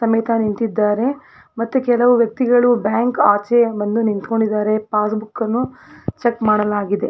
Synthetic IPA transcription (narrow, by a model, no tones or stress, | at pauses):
sɐmɐjt̪ʰanint̪id̪ːaːɾe̞ | mɐt̪ːukɛlɐʋuʋjɐk̚t̪iɡɐɭubjaːŋkaːt͡ʃebɐnd̪unint̪ko̞ɳɖid̪ːaːɾe̞paːsbukːɐnːut͡ʃekmaːɽɐlaːɡid̪e̞